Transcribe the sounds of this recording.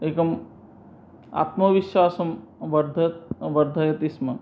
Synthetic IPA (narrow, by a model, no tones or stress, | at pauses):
eːkɐm | a̰ːt̪mɐʋiʃwaːsɐmʋɐɾd̪ʱɐt̪ʋɐɾd̪ʱɐjɐt̪ismɐ